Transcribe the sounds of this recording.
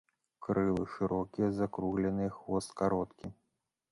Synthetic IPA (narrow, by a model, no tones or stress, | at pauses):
kɾɨlˠɨʂɨɾɔkʲijɐzakɾuɣlʲɛnɨjɐxvɔst̪kaɾɔt̪kʲi